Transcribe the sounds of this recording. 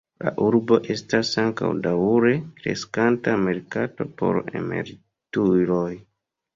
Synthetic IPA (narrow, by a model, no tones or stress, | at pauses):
la̰ʔuɾbo̞ʔe̞stasaŋka̰wdawuɾe̞kɾe̞̰skantame̞ɾkato̞po̞̰ɾḛme̞̰ɾi | tuɾo̞j